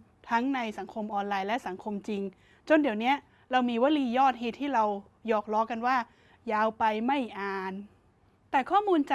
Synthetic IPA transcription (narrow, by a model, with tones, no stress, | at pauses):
t̪ʰa˦˥ŋna˧jsa˩˦ŋkʰo˧mʔɔː˧nlaː˧jlɛ˦˥ʔsa˩˦ŋkʰo˧mt͡ɕi˧ŋ | t͡ɕo˧ndi˨˩˦əwni˦˥ɐ | ɾa˧wmiː˧wa˦˥liː˧jɔː˥˩t̪̚heː˨˩t̪ʰːiː˥˩ɾa˧w | jɔː˨˩k̚lɔː˦˥ka˧nwaː˥˩ | jaː˧wpa˧jma˥˩jʔaː˧n | t̪ɛː˨˩kʰɔː˥˩muː˧nt͡ɕa˨